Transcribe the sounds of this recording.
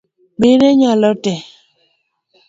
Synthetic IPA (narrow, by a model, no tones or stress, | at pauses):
ɓeɾeɲalɔtɛ